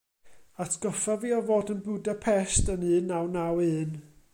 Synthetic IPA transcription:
atʰɡ̥ɔfaviːɔvoːdənbʊdapʰɛstənɨːnːawnawɨːn

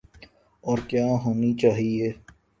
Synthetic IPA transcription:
ɔːɾkjaːɦoːnit͡ʃaːɦieː

